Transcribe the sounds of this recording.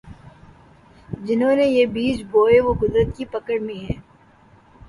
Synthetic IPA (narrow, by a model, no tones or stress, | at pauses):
d͡ʒɪnɦõnejebiːd͡ʒboːeʋokʊd̪ɾət̪kipɐkəɽmẽɦɛ̃ː